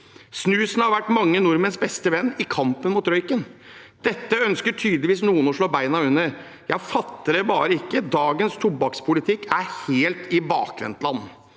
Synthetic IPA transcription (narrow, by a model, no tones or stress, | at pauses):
snʉːsnəhɑɾʋæʈːmɑŋːənʊɾmənsbɛst̪əʋɛnːɪkʰɑmpənmʊt̪ɾœʏkən | d̪̥ɛt̪ːəœnskəʈʰyːd̪lɪʋiːsnuːənɔʂɭoːbæɪnɑʉnːəɾ | jæɪfɑt̪ːəɾɛbɑːɾəɪkːəd̪ɑːɡənst̪ʰʊbɑkspʰʊlɪt̪ʰɪkʰːæɾheːlt̪ʰɪbɑ̰ːkɾɛ̰nt̪lɑnː